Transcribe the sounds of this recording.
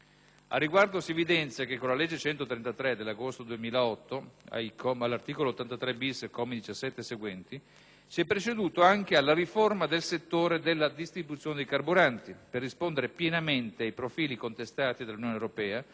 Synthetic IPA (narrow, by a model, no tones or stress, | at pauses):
a̰rːiɡward̪osievid̪ɛnt̪sjakekːolalɛd͡ʒːet͡ʃɛnt̪ot̪ɾent̪at̪ɾed̪elːaɡost̪od̪uemiːlaɔt̪ːoa̰ikʰɔmalːart̪iːkolot̪ːant̪at̪ɾɛbiskɔmed̪it͡ʃasːɛt̪ːeseɡwɛnt̪i | siɛpːɾet͡ʃed̪uːt̪oaŋk̟ealːaɾiformad̪elset̪ːoːɾed̪elːad̪ist̪ɾibut̪sːjoːned̪ejkarbuɾant̪iperːispond̪eɾepjenament̪eajpɾofiːlikont̪est̪aːt̪id̪alːunjoːnewɾopɛːa